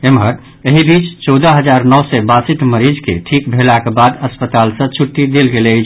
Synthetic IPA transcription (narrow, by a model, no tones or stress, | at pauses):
emɦəɾ | eɦibit͡ʃt͡ʃɔd̪əɦəd͡ʒaɾnɔsɛbasit̪məɾid͡ʒkḛʈʰikbʱelakebad̪əspət̪alsə̃t͡ʃʰuʈːid̪elɡelt͡ʃʰ